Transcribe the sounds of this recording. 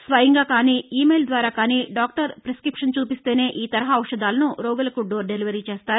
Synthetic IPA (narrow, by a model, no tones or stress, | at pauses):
sʋɐjɐŋɡaːkaːniːiːmejld̪ʋaːɾaːkaːniːɖaːk̚ʈɐɾpɾeskɾipʂɐnt͡ʃuːpist̪eːne̞ːʔiːt̪ɐɾɐɦaɐwʂɐd̪aːlɐnuɾoːɡɐlɐkuɖoːɾɖeliʋɐɾit͡ʃeːst̪aːɾu